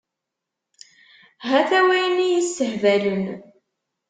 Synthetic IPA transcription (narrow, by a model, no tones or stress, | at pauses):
ɦæθæwæjnijisːəhvælən